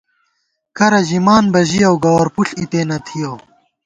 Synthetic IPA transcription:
kɐɾɐʑimaːnbɐʑijɐwɡɐwɐɾpuɬit̪eːnɐt̪ʰijow

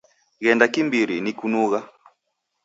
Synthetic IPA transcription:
ɣɛndakimbiɾinikunuɣa

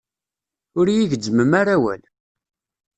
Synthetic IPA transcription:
ʊɾjiʝəd͡zːəməmaɾawæ̰l

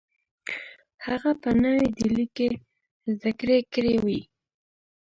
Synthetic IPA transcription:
haɣapənəwed̪ilike | zd̪akɾekɾewi

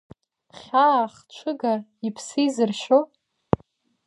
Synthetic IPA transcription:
χʲaːχt͡ʃʷʰɨɡaipʰsizɨrʃo

